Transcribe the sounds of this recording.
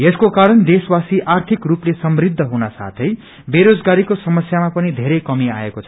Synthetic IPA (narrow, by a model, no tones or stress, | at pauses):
eskokaɾʌnd̪eswasiʔart̪ʰikruplesʌmɾid̪ʱːʌɦunasa̰t̪ʰʌj | beɾod͡zɡaɾikosʌmʌsjamapʌnid̪ʱeɾʌjkʌmia̰ekot͡sʰʌ